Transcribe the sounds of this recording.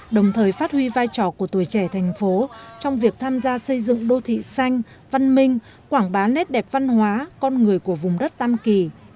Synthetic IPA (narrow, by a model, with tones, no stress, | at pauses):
ɗə˨˩wŋ͡mt̪ʰəː˨˩jfaː˦˥t̚hwi˧vaː˧jt͡ɕɔ˧˩ku˧˩ət̪u˧˩jt͡ɕɛ˧˩t̪ʰa˨˩jŋ̟fo˨˦t͡ɕɔ˧wŋ͡mvi˨˩ək̚t̪ʰaː˧mzaː˧sə˧jzɨ̰˧˨ŋɗo˧t̪ʰḭ˧˨sa˧jŋ̟ | va˧nmï˧ŋ̟ | kwaː˧˩ŋɓaː˨˦nɛ˦˥t̚ɗɛ˨˩p̚va˧nɦwaː˨˦kɔ˧nŋɨ˨˩əjku˧˩əvʊ˨˩ŋ͡mɗə˦˥t̚t̪a˧mki˧˩